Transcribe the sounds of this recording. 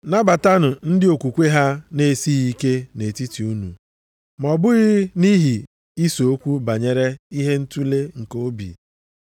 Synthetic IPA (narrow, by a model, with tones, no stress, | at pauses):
na˦ba˨ta˦nʊ˨n̩˦dɪ˦o˨kʷu˨kʷe˦ɦa˦ne˨si˦i˦ke˦ne˨ti˦ti˨u˦nṵ˨ | mɔ˨bʊ˦ɣɪ˦ni˦ɦi˨ | i˦so˨o˦kʷu˦ba˨ɲe˨ɾe˦i˦ɦe˦n̩˦tu˦le˦ŋ̩˨ko˦bḭ˨